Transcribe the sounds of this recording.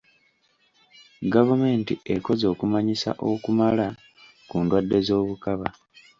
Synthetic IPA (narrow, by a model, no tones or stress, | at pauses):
ɡavume̞ːntiʔe̞ko̞zo̞ːkumaɲisa̰ʔo̞kumala | kuːndwadːe̞zo̞ːβukaβa